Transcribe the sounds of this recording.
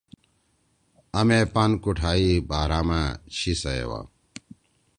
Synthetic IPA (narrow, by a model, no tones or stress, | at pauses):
ɐmepɐnkuʈʰaːibaːɾaːmãɕisɐḛwa̰